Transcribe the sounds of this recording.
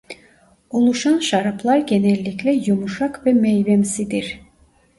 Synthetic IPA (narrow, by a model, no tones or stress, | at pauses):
ulˠuʃanʃaɾapʰlˠaɾɟenɛlʲːiclʲɛjumuʃakvɛmejvɛmsid̪iɾ̥